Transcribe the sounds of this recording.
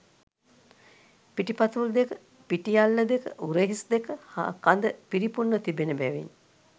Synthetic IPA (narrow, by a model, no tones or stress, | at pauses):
piʈipat̪ʋuld̪ekə | piʈijalːəd̪ekə̰ʔuɾeɦisd̪ekəha̰kand̪əpiɾipunːət̪ibenəbæʋḭn